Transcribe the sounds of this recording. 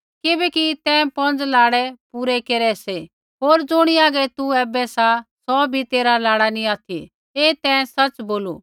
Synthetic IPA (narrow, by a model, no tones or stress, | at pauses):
kɪbɛkit̪ɛ̃ːpɔ̃nd͡zlaːɽɛpuːɾɛkeːɾɛse | ɦoːɾd͡zʊɽ̃iaːɡɛt̪uɛːbɛsasɔːbʱit̪eːɾalaːɽanĩaːt̪ʰḭ | eːt̪ɛ̃ːsɐt͡sboːlṵ